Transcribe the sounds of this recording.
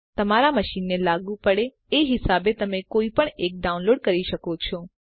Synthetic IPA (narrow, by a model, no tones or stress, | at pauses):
t̪əmaɾaməʃinːelaɡũpəɽe | eɦɪsabet̪əmekoipəɳek̚ɖaũnloɽkəɾiʃəkot͡ʃʰo